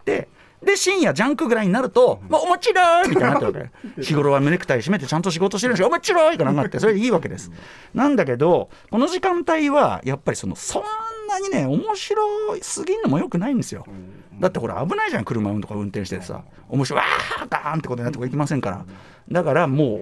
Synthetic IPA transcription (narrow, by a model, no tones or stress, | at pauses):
t̪e̞̰ | d̪e̞ɕĩɰ̃jad͡ʑãŋkɯ̟ɡɯ̟ɾaiɲ̟inaɾɯ̟t̪o̞moomo̞t͡ɕiɾoimʲit̪ajɲnaeβakḛçiɡo̞ɾo̞βamɯɾekɯ̟̥aiɕime̞t̪̬e̞t͡ɕãnt̪o̞ɕ̬iɡo̞t̪o̞ɕ̬eɾɯnskaomo̞t͡ɕiɾoikanakːat̪ːesoɾeiːβake̞d̪e̞sɨ̥ | nãnd̪ak̬e̞d̪o̞ | ko̞no̞ʑikãnt̪aiβajapːaɾʲiso̞no̞̰sõ̞nːaɲ̟ine̞o̞mo̞ɕiɾo̞sɨɡʲinːo̞mo̞jokɯ̟naĩnd̪e̞sɨjo̞̰ | d̪at̪ːe̞ho̞ɾa̰ːbɯ̟naiʑãkɯ̟ɾɯ̟maɯ̃nt̪o̞kaɯ̟̃nt̪ẽ̞ɕit̪et̪esa̰ | o̞mo̞ɕiɾoa̰kãnt̪ekooɲnat̪ekaik̬ʲimasẽ̞ŋkaɾa̰ | d̪akaɾamo̞ː